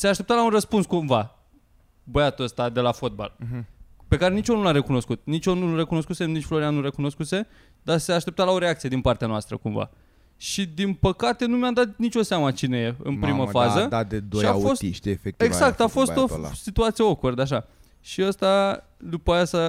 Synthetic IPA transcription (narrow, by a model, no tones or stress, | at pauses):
seaʃt̪e̞p̚t̪alaunrəspunskumva | bəjat̪uəst̪ad̪e̞lafo̞t̪̚ba̰l | pe̞kaɾe̞nit͡ʃonulaɾe̞kuno̞skut̪̚nit͡ʃʲonure̞kuno̞skusenit͡ʃflo̞ɾianːuɾe̞kuno̞skuse̞ | d̪aseaːʃt̪e̞p̚t̪alao̞ɾeak̚t̪sie̞d̪inpart̪eanoast̪ɾə̰kuɱva̰ | ʃid̪inpəkat̪e̞numʲad̪at̪nit͡ʃʲo̞seamət͡ʃine̞je̞ɨ̰npɾiməfazəd̪ad̪ed̪oʃia̰fost̪iʃt̪efekt̪eɡak̚t̪afo̞so̰sit̪uat̪sieokord̪eaʃ̬a | ʃiəst̪a | d̪upajasa